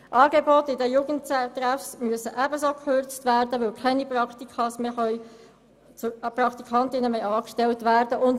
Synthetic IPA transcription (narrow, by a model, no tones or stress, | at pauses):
ʔɑːɡebotɪdəjuːɡəntt̪ræfsmyəsəʔæbəsoːkʰχøɾt͡stʋæːrdəʋɪlkʰɛniprɑkt̪ikʰɑsmeχœʏ | t͡sprɑkt̪ikʰɑntɪnəmœjɑːkʃtɛltʋæːrdəʔʊnt